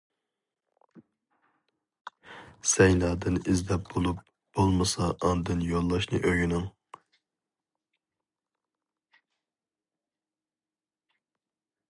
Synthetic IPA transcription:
sɛjnɑːd̪ɨnizlɛp̚b̥olˠup̚ | b̥olˠmɨsɑʔɑnd̪ɨnjolˠːɑʃnɨʔøɡynɪŋ

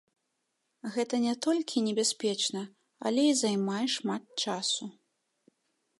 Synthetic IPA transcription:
ɣɛt̪ɐnʲɛt̪ɔlʲkʲʰinʲɛbʲasʲpʲɛt͡ʂnɐ | ɐ̰lʲɛizajmajɛʂmat̪̚t͡ʂasu

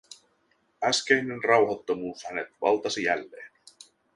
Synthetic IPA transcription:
æsk̟ejnenrɑwɦɑt̪ːomuːshænet̪ʋɑ̰lt̪ɑsijæ̰lːeːn

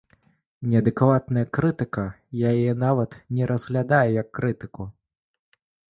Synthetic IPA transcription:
nʲɛɐd̪ɨkvat̪nɐjɐkɾɨt̪ɨkɐ | jajjɛnavɐt̪nʲɛɾɐzɣlʲad̪ajɛjɐkːɾɨt̪ɨku

